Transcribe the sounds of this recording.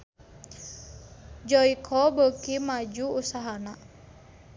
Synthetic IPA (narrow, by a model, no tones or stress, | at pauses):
d͡ʒɔikʰɔbəkimad͡ʒuːsaɦana